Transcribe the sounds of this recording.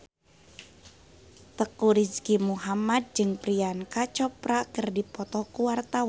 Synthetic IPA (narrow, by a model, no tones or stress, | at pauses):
t̪əkuɾiskimuɦamad̪̚d͡ʒɨŋpɾiankat͡ʃɔpɾakərdipɔt̪ɔkuwart̪awa